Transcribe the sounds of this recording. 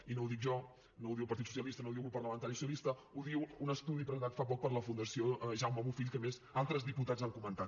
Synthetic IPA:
inowðik̚ʒɔ | nowðiwəpəɾt̪itsu̥sijəlist̪ənowðiwulpəɾləmənt̪aɾisuiəlist̪əuðiwunəst̪uðipɾəzənt̪at̪fap̬ɔk̚pəɾləfund̪əsioʒawmaβufiʎkəmezalˠt̪ɾəzðiput̪ad͡zzaŋkumənt̪at̪

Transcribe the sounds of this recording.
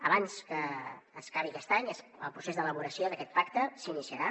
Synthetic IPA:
əβanskəːskaβ̞ikɛst̪aɲəsə̰lˠpɾusezd̪ələβuɾəsjoðəkɛt̪̚pakt̪əsinisiəɾa

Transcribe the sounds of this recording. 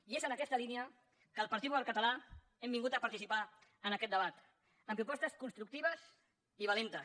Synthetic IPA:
iezənəkɛst̪əlineə | kəlˠpɐɾt̪iðuəlkət̪əla | ɛmbiŋɡut̪əpəɾt̪isipaənəkɛt̪d̪əβ̞at̪ | əmpɾupɔst̪əskunst̪ɾuk̚t̪iβ̞əs | iβ̞alent̪ə

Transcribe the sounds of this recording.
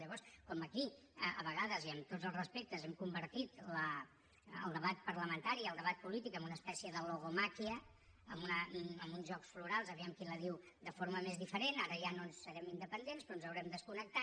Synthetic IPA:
ʎəβɔɾskɔməki | əə̰βəɣaðəziəmt̪od͡zəlˠzrəspek̚t̪əzɛmkumbəɾt̪it̪lə̰ː | lˠd̪əβat̪̚pəɾləmənt̪aɾiəlˠd̪əβat̪̚pulit̪ikəmbunəːspɛsiəðəloɣomakiəː | munəəmbunzʒɔksfluɾalˠzəβɛmkiləðiw | d̪əfoɾməmezðifəɾenaɾəʒanonsːəɾɛmind̪əpənd̪enspɾɔnzəwɾɛmd̪əskunək̚t̪a

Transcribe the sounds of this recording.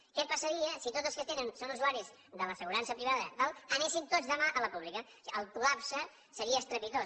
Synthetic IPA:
kɛpəsəɾiəsit̪odd͡zzəlskət̪enənsonuzuaɾiz | d̪ələsəɣuɾansəpɾiβaðəd̪alˠənesint̪ozðəmaʔələpuβlikə | əlˠk̪ulapsə | səɾiəːst̪ɾəpit̪o

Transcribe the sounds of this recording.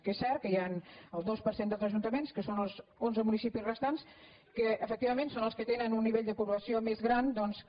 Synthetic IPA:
kesːɛɾt̪̚kəjanəlˠd̪ospəɾsend̪əlˠzəʒunt̪əmenskəsonəlˠzonzəmunisipizrəst̪ans | kəəfək̚t̪iβəmẽnsonəlˠskət̪enənunːiβeʎd̪əpuβləsiomezɣɾand̪ɔns

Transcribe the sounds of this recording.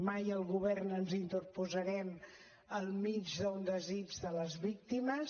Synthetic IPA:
majəlˠɣuβɛrnənzint̪ərpuzəɾɛm | əlˠmid͡ʒðəund̪əzid͡ʒðələzβik̚t̪iməs

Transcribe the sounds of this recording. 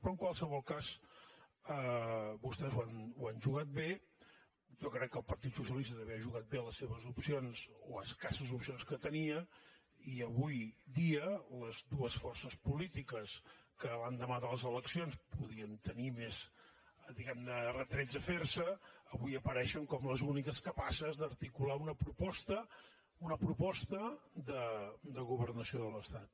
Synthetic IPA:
pɾɔəŋkwalˠsəβɔlˠkas | əbust̪ɛzwanuanʲʒuɣat̪̚be | jɔkɾɛkːəlˠpəɾt̪it̪susiəlist̪əðəβɛəʒuɣat̪̚beləsːeβəzupsionzoəskasəzupsionskət̪əniə | iəβujd̪iələzðuəsfɔrsəspulit̪ikəskəland̪əmaðələzələksionspuðiənt̪ənimez | d̪iɣɛmnərət̪ɾɛd͡zəfersəːβujəpəɾɛʃəŋkɔmləzunikəskəpasəzðəɾt̪ikulaunəpɾupɔst̪ə | unəpɾupɔst̪əd̪əd̪əɣuβərnəsioðələst̪at̪

